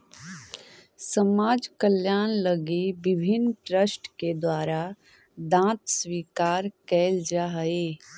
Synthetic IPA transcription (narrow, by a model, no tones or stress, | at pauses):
səmaːd͡ʒkəljaːnləɡibɪbʱɪnːʈɾəsʈked̪waːɾa | d̪ãːt̪swiːkaːɾkɛːld͡ʒaɦeː